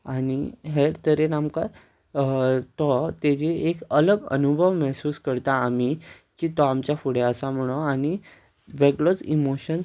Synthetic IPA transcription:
añiɦeɾt̪əɾenamka | t̪ɔt̪ed͡ʑeekələɡə̰nubʱəʋmɛɦsuːskəɾt̪aːmi | kiːt̪ɔamt͡ɕjafuɽeəsãm̤əɽ̃oañi | ʋeɡɭot͡simoɕən

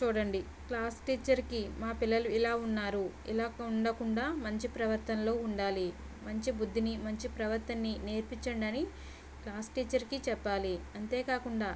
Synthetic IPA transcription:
t͡ʃuːɽɐɳɖi | klaːsʈiːt͡ʃɐɾkimaːpilːɐluilaːunːaːɾu | ilaːkɐuɳɖɐkuɳɖaːmɐɲt͡ʃipɾɐʋɐɾt̪ɐnlo̞ːuɳɖaːli | mɐɲt͡ʃibud̪ʱːinimɐɲt͡ʃipɾɐʋɐɾt̪ɐnːine̞ːɾpiɲt͡ʃɐɳɖɐni | klaːsʈiːt͡ʃɐɾkit͡ʃɛpːaːliɐnt̪e̞ːkaːkuɳɖaː

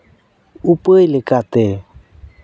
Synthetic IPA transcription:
upəjlekat̪e

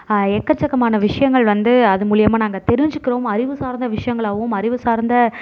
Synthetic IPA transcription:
ɛkːɐt͡ʃːɐkːɐmaːnɐʋɪʂɐjɐŋɡɐɭʋɐnd̪ɯɐðɯmuːɭɪjɐmaːnaːŋɡɐt̪ɛɾɪɲd͡ʒɯkːɪɾɐːmɐɾɪʋɯsaːɾnd̪ɐʋɪʂɐjɐŋɡɐɭaːʋɯmɐɾɪʋɯsaːɾnd̪ɐ

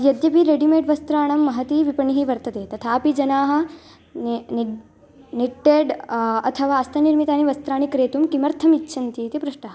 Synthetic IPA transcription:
jɐd̪jɐpiɾeɖimeːʈʋɐst̪ɾaːɳɐmːɐɦɐt̪iʋipɐɳiɦiʋɐɾt̪ɐt̪eːt̪ɐt̪ʰaːpid͡ʒɐnaːɦɐ̆ | n | niʈːeːɖɐ̰t̪ʰɐʋaːɐst̪ʰɐniɾmit̪aːniʋɐst̪ɾaːɳikɾeːt̪umkimɐɾt̪ʰɐmitːʃʰɐnt̪it̪epɾɐʂʈaː

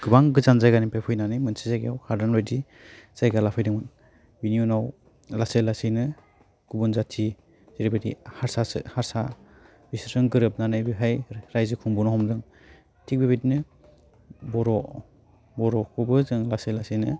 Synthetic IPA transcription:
ɡ̥ɯbaŋɡɯzanzajɡanipapʰɯjnanɯjmɯnsizajɡejawhaɾdanɔjdi | z̥ajɡalapʰɯjdɯŋmɯn | binijunaw | laselasinɯ | ɡ̥ubɔnzatʰi | z̥eɾibedḭhaɾsasɯ̰haɾsa | bisɾɯŋɡɯɾɯp̚nanɯjbiɦajɾajzɯkʰuŋbunɔhɔmdɯŋ | tʰik̚bebedinɯ | bɔɾɔ | bɔɾɔkubɯzɯŋlaselasinɯ

